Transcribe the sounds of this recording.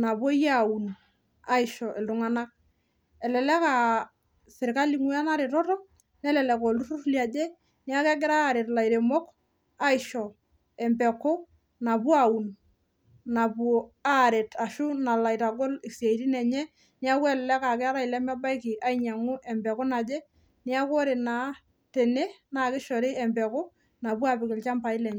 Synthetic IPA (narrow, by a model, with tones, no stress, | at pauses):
na˨bwɔ˦ja˦˨u˨n | a˦ɪ˨ʃɔ˨ʔe˨ldʊ˨ŋa˦na˦k̚ | ɛ˨lɛ˨lɛ˦ka˨ | sɪ˨ɾka˦li˨ŋu˦a˦na˦ɾe˨tɔ˦tɔ˦ | nɛ˦lɛ˨lɛ˨kɔ˨lu˦rʊ˦ɾlja˨d͡ʒɛ˦ | ni˦a˦kɛ˦ɡɪ˦ɾa˦˨ɾe˨tla˨jɾe˨mɔ˦k | a˦ɪ˨ʃɔ˨ | ɛ˨mbɛ˨ko˦ | na˨pu˦a˨u˨n | na˨puo˨a˦ɾe˨ta˨ʃʊ˦na˨la˨jta˨ɡo˦lɪ˨ksa˨iti˦nɛ˨ɲɛ˦ | ni˦a˦kwɛ˦˨llɛ˦ka˨k̬ɛ˦ɾa˦i˨lɛ˦mɛ˦ba˦jkɪ˨a˨iɲa˨ŋʊ˦ʔɛ˨mbɛ˨kʊ˦na˨d͡ʒe˦ | ni˦a˦ko˦ɾɪ˨na˨ | te˨ne˦na˨kɪ˦ʃɔ˨ɾɪ˦ɛ˨mpɛ˨kʊ˦ | na˨pu˦a˨pɪ˨kɪ˨lt͡ʃa˦mpa˨ɪ˦lɛ˨ɲɛ˦